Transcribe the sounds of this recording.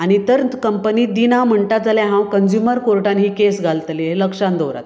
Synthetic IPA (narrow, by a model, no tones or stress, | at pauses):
aɽ̃it̪əɾkəmpəniːd̪inam̤əɳʈ̪at̪̚d͡zaljãɦãwkənd͡ʑjuməɾkoɾʈanɦiːkesɡʱalt̪lieləkʂãnd̪owɾa̰t̪